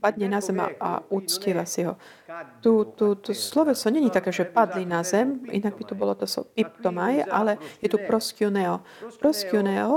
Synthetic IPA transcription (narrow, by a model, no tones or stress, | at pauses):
pad̪ɲɛnazɛma̰a̰ut͡sciːʋasiɦɔ | t̪ut̪ut̪ɔslɔʋɛsɔɲɛɲit̪akɛːʒɛpad̪linazɛmʔḭnaɡ̚bit̪ubɔlɔt̪ɔsɔ̰pip̚t̪ɔmajʔa̰lɛjɛt̪upɾɔskjunɛɔ | pɾɔskiunɛɔ